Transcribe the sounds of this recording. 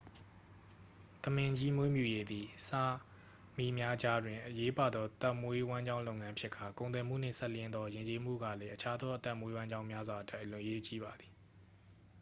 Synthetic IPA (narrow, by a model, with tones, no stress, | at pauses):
t̪əmɪ̃˨ɲd͡ʑi˦mwe˦mjṵ˦˨je˦d̪i˨sa˦˨ | mi˦˨mja˦d͡ʑa˦dwɪ̃˨ʔəje˦pa˨d̪ɔ˦ʔət̪a˦˨mwe˦wã˦ɲd͡ʑã˦ʊ̃lo˦ʊŋã˦mpʰjɪ˦ʔkʰːa˨kõ˨ʊ̃nt̪wɛ˨m̥ṵ˦˨n̥ɪ̰̃˦˨sɛ˦˨ljɪ̃˦nd̪ðɔ˦jɪ̃˨ɲt͡ɕe˦m̥ṵ˦˨ɡä̰˦˨lɛ˦ʔət͡ɕʰa˦d̪ɔ˦ʔət̪a˦˨mwe˦wã˦ɲd͡ʑã˦ʊ̃mja˦zwa˨ʔəta˦˨ʔlʊ̃˨ʔəje˦t͡ɕḭ˦˨ba˨d̪i˨